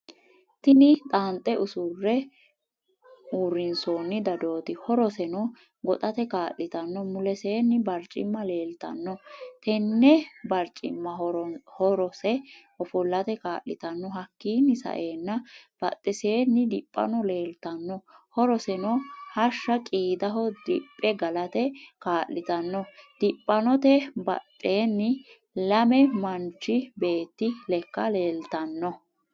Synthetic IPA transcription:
t̪ɪnɪt̪ʼaːnt̪ʼːɛʔʊsʊrːɛ | uːɾːɪnsoːnːɪd̪ɐd̪o̞ːt̪ɪhɔɾɔsɛnɔ | ɡɔt̪ʼɐt̪ɛkaːʔɪt̪ɐnːɔmʊlɛseːnːɪbɐɾt͡ʃʼːɪ̰mːɐle̞ːlt̪ɐ̰nːɔt̪ɛnːɛbɐɾt͡ʃʼɪ̰mːɐhɔɾɔsɛ | ɔfɔlːɐt̪ɛkaːʔːɪt̪ɐnːɔhɐkːiːnːɪsɐ̰ʔe̞ːnːɐb̥ɐ̰t̪ʼːɛse̞ːnːɪd̪ɪpʼːɐ̰nɔle̞ːlt̪ɐnːɔhɔɾɔsɛnɔhɐʃːɐkʼiːd̪ɐɦɔd̪ɪpʼːɛɡɐlɐt̪ɛkaːʔːɪt̪ɐnːɔd̪̥ɪpʼːɐnɔt̪ɛbɐ̰t̪ʼːe̞ːnːɪ | lɐmɛmɐnt͡ʃːɪbe̞ːt̪ːɪlɛkːɐle̞ːlt̪ɐnːɔ

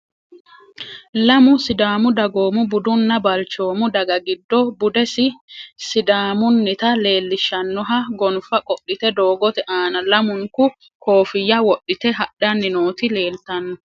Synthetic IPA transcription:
lɐmʊsɪd̪aːmʊd̪ɐɡoːmʊbʊd̪ʊnːɐbɐlt͡ʃo̞ːmʊd̪ɐɡɐɡɪd̪ːɔbʊd̪ɛsɪsɪd̪aːmʊnːɪt̪ɐle̞ːlːɪʃːɐnːɔɦɐɡɔnfɐkʼɔɗːɪt̪ɛd̪oːɡɔt̪ɛʔaːnɐlɐmʊŋkʊ | koːfɪjːɐwɔɗːɪt̪ɛɦɐɗːɐnːɪnoːt̪ɪle̞ːlt̪ɐnːɔ

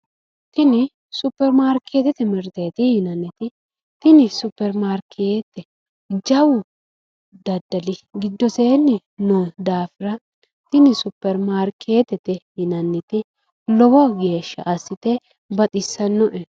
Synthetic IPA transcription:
t̪ɪnɪ | sʊpːɛɾmaːɾkʰeːt̪ɛt̪ɛmɛɾt̪eːt̪ɪhɪnɐnːɪt̪ɪ | t̪ɪnɪsʊpːɛɾmaːɾkʰeːt̪ːɛ | d͡ʒɐwʊ | d̪ɐd̪ːɐlɪɡɪd̪ːɔse̞ːnːɪ | nod̪aːfɪɾɐ | t̪ɪnɪsʊpːɛɾmaːɾkʰeːt̪ɛt̪ɛhɪnɐnːɪt̪ɪ | lɔwɔɡe̞ːʃːɐ̰ʔɐsːɪt̪ɛ | bɐt̪ʼɪsːɐnːɔʔɛ

